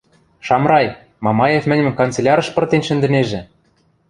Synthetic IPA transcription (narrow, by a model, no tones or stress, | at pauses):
ʃɑmɾɑj | mɑmɑjefmɘ̆nʲmɘ̆mkont͡sĕlʲɑɾɤ̆ʃpɤ̆rt̪enʃɘ̆nd̪ɘ̆neʒɘ̆